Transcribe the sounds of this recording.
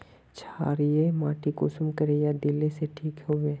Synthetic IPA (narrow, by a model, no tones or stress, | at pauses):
t͡ʃʰaːɾijemaːʈʰikʊsʊmkəɾejad̪ɪleseʈʰiːkɦoːʋẽː